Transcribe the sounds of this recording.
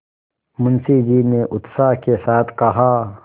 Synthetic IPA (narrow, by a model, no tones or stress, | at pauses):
mʊnsid͡ʒiːneʔʊt̪saːɦkesaːt̪ʰkɐɦaː